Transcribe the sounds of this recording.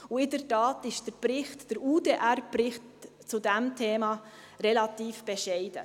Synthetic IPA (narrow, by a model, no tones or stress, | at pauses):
ʊɪdəɾtɑːtɪʃd̥əɾbɾɪχtːəɾudeːʔæɾbɾɪχt | t͡sudɛmtʰeːmɑ | ɾɛlɑtiːfb̥ɛʃɛɪd̥ə